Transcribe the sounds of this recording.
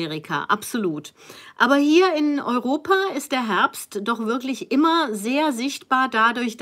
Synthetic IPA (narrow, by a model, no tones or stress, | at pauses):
eːʁikʰa̰ʔa̰pz̥oluːtʔaːbɐɦiːɐɪnɔʏʁoːpʰaːɪst̚d̥eːɐɦɛɐpstd̥ɔχv̥ɪɐklɪçʔɪmɐzeːɐzɪçtb̥aːɐdadʊɐçd̥